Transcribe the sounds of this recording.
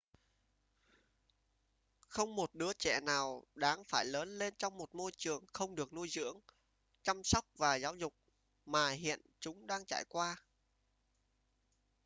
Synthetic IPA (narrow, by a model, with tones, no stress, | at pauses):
xə˧wŋ͡mmo˨˩t̚ɗɨ˨˦ət͡ɕɛ̰˧˩naː˨˩wɗaː˨˦ŋfaː˧˩jləː˨˦nle˧nt͡ɕɔ˧wŋ͡mmo˨˩t̚mo˧jt͡ɕɨ˨˩əŋxə˧wŋ͡mɗɨ˨˩ək̚nu˧jzɨ̰˧˥əŋ | t͡ɕa˧msɔ˦˥wk͡p̚vaː˨˩zaː˨˦wzʊ˨˩k͡p̚ | maː˨˩ɦḭ˧˨ənt͡ɕʊ˨˦ŋ͡mɗaː˧ŋt͡ɕa̰ː˧˨jkwaː˧